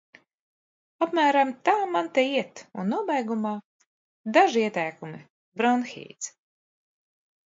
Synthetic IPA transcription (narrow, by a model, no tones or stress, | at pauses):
apmæːɾamt̪aːmant̪ɛiɛt̪unːuɔbɛjɡumaː | d̪aʒiiɛt̪ɛjkumi | bɾanxḭːt̪s